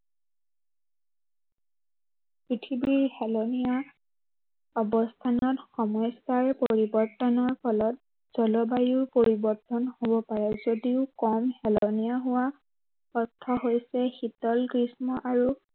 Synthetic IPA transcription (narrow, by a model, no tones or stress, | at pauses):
pɹitʰibiɹhɛlɔnija | ɔbɔstʰanɔtxɔmɔjsaɹpoɹibɔɹtɔnɔɹpʰɔlɔt̚ | z̥ɔlɔbajuɹpoɹibɔɹtɔnhobɔpaɹɛzodiʊkɔmhɛlɔnijaɦʊwa | ɔtʰːɔɦojsɛxitɔlkɹismɔʔaɹu